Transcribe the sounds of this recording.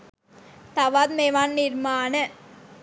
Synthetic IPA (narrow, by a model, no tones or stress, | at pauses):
t̪ɐʋaːd̪̚meʋaːnːiɾmaːnɐ